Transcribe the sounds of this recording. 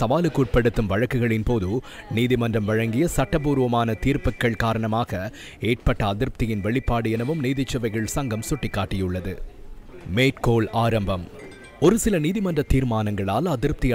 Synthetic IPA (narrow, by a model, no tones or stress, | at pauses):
sɐʋaːlɯkːuːʈ̚pɐɽɯt̪ːɯmʋɐɻɐkːɯɣɐɭɪnpoːðɯ | niːðɪmɐndrɐmʋɐɻɐŋɡɪjɐsɐʈːɐpuːɾʋɐmaːnɐt̪iːɾpɯkːɐɭkaːɾɐɳɐmaːɣɐ | eːʈ̚pɐʈːɐːðɪɾp̚t̪ɪjɪnʋɛɭɪpːaːɽɯjɛnɐʋɯmniːðɪt͡ʃːɐʋɐɪɣɐɭsɐŋɡɐmsʊʈːɪkːaːʈːɪjɯɭːɐðɯ | meːʈkoːɭaːɾɐmbɐm | ɔɾɯsɪlɐniːðɪmɐndrɐt̪ːiːɾmaːnɐŋɡɐɭaːlɐðɪɾp̚t̪ɪj